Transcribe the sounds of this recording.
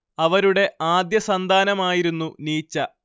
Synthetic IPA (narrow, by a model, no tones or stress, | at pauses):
ɐʋɐɾuɽe̞ʔaːd̪jɐsɐnd̪ʱaːnɐmaːjiɾunːuniːt͡ɕːɐ